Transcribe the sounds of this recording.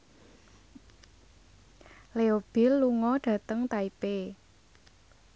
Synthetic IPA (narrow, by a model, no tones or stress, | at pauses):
leob̥ɪ̤lːuŋɔɖ̥ä̤t̪əŋt̪aipe